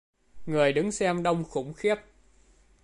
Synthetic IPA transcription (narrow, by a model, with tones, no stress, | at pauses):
ŋɨ˨˩əjɗɨ˨˦ŋsɛ˧mɗə˧wŋ͡mxʊ̰˧˥ŋ͡mxɛ˦˥p̚